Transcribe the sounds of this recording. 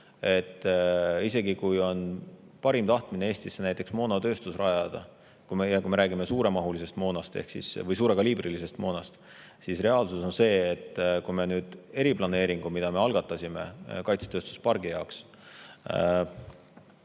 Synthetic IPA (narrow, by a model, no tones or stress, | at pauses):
e̞t̪ːˑise̞ɡikujo̞n | pɑɾimt̪ɑht̪mineeːsʲt̪isːenæjt̪ːˑe̞ksmo̞ːnot̪ø̞ːst̪usrɑjɑd̪̥ɑ | kuejɑkume̞ɾæːɡime̞suːɾe̞mɑɦulise̞st̪mo̞ːnɑst̪e̞̰hksḭsvɤjs̬uːɾe̞ɡɑliːbrilise̞st̪mo̞ːnɑst̪ | sisre̞ɑːlsuso̞nse̞ːt̪ːkujme̞nyːd̪̥e̞ɾiplɑne̞ːɾiŋɡ̥umid̪̥ɑme̞ɑlɡ̥ɑt̪ːˑɑsʲime̞̰kɑjt̪set̪øːst̪u̥spɑrɡijɑoks